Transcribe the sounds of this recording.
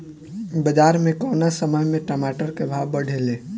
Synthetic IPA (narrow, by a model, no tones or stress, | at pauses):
bəd͡ʒaːɾmẽkɔːnasəməjmẽʈəmaːʈəɾkebʱaːbəɽ̤ʱeːleː